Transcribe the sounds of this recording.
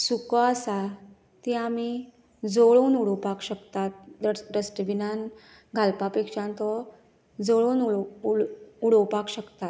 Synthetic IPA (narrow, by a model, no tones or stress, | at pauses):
sukɔasa | t̪iami | d͡zɔɭonuɽɔpakɕəkt̪at̪̚ɾəsʈəʋinan | ɡʱalpapekʂãnt̪ɔ | d͡zɔɭon | uɽɔpakɕəkt̪at̪